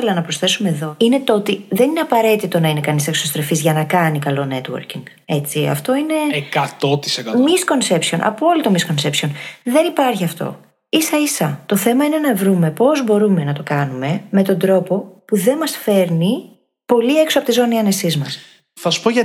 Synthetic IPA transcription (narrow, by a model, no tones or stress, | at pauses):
elɐnɐpɾo̞sθe̞sume̞ːðo̞ine̞t̪o̞t̪iðe̞nine̞ɐpɐɾe̞t̪it̪o̞nɐine̞kɐniseksost̪ɾefizʝɐnɐkɐnikɐlo̞ne̞t̪wo̰ɾciŋɡ | e̞t͡siɐ̰ft̪o̞ine̞ekɐt̪ot̪i̥sekɐmisko̞nse̞psio̞̰nʔɐ̰poolit̪o̞misko̞nse̞psio̞nðe̞nipɐɾçiɐft̪o̞̰ | isɐisɐt̪o̞θe̞mɐine̞nɐvɾume̞po̞zbo̞ɾume̞nɐt̪o̞kɐnume̞me̞t̪o̞nd̪ɾo̞po̞puðe̞nmɐsfe̞ɾni | po̞lie̞ksoɐpot̪izo̞niɐne̞sizmɐs | θɐsu̥poʝɐ